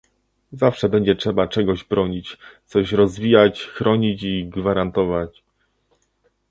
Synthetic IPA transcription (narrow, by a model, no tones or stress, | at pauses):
zafʂɛbɛɲd͡ʑɛtʂɛbat͡ʂɛɡɔʑbɾɔɲit͡ɕt̪sɔɕɾɔzvʲijat͡ɕxɾɔɲit͡ɕiɡvaɾant̪ɔvat͡ɕ